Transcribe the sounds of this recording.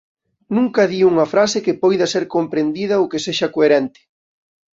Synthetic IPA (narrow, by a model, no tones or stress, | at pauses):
nũŋkɐðiuŋɐfɾasɪkɪpojðɐseɾkompɾend̪iðɐokeseʃɐkoeɾɛnt̪ɪ̥